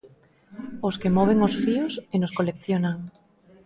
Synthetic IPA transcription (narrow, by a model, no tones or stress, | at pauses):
oskemɔβ̞eŋosfiosenoskolekθjonaŋ